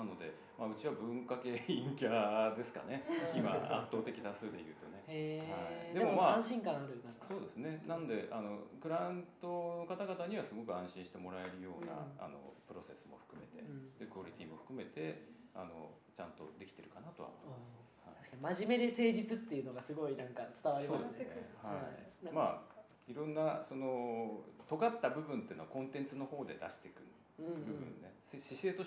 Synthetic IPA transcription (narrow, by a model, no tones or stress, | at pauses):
nano̞d̪e̞ | maɯ̟t͡ɕiβabɯ̟̃ŋkake̞ĩŋkʲad̪e̞sɨ̥ka̰ne̞imaã̰t̪ːo̞ːt̪e̞kʲi̥t̪asɨːd̪e̞jɯ̟ːt̪o̞ne̞haid̪emomaːãɕĩŋkãɰ̃aɾɯkasoːd̪e̞sɨne̞nano̞d̪e̞ʔano̞kɯ̟ɾãɯ̃nt̪o̞no̞kat̪aɡat̪aɲ̟iβasɨɡo̞kɯ̟ãɕĩɕi̥t̪e̞mo̞ɾae̞ɾɯ̟jo̞ːna̰a̰no̰pɯ̟ɾo̞se̞sɨmo̞ɸɯ̟̥kɯ̟me̞̰t̪e̞̰d̪̥e̞kooɾʲit̪ʲiːmo̞ɸɯ̟̥kɯ̟me̞t̪e̞ano̞̰ | t͡ɕãnt̪o̞̰d̪e̞kʲi̥t̪e̞ɾɯ̟kanat̪o̞a̰momas | haaɕkaɲimaʑime̞d̪ese̞ːd͡ʑit͡sɨt̪ːe̞iɯ̟noɡasɨɡo̞inãŋkat͡sɨ̥t̪aβaɾiod̪esnehaimaː | iɾõ̞nːaso̞no̞t̪o̞ɡat̪ːabɯ̟bɯ̟̃nt̪eiɯnoakõ̞nt̪ẽ̞nt͡sɨno̞ho̞ːd̪e̞d̪a̰ɕi̥t̪e̞kɯ̟n | bɯbɯ̟̰̃nːe̞seɕise̞ːt̪o